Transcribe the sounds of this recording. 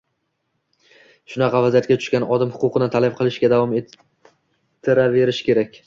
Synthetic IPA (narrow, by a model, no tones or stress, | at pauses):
ʃʊnɑqɑvazijat̪kʲat̪ʰʊ̥ʃkʲanɒd̪ɪmhʊ̥qʊqʰɨnɪt̪ʰalab̚qʰɨlˠɪʃɡʲad̪avɒme | t̪ʰːɪɾave̞ɾɪʃkʲe̞ɾakʲ